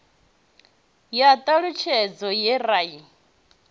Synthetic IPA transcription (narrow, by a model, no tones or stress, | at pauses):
jat̪ʼaɺut͡ʃʰɛd͡zɔjɛraːji